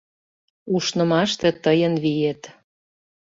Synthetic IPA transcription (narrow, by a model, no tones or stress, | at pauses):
uʃnɤ̆mɑʃt̪ĕt̪əjə̆nβijet̪